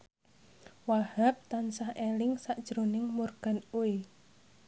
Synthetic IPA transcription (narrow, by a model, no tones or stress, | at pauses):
wahap̚t̪ansahelɪŋsaʔd̥ʒ̥ɾonɪŋmurɡ̥a̤nue